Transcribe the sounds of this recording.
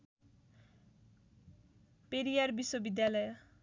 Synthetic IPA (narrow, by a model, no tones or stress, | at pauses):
peɾijarbiswobid̪jalʌj